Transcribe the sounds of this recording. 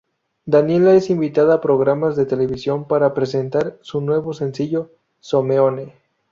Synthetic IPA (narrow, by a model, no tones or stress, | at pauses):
d̪anje̞lae̞simbit̪aðaːpɾo̞ɣɾamazðe̞t̪e̞le̞βisjo̞mpaɾapɾe̞se̞nt̪aɾsunwe̞βo̞se̞nsiʝo̞ | someone